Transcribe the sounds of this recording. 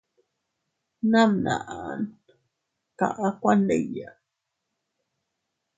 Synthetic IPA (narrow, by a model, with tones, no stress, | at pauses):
na˦mna˨ʔa˨n | ka̰˨ʔa˦kʷa˦ne˦˨ja˨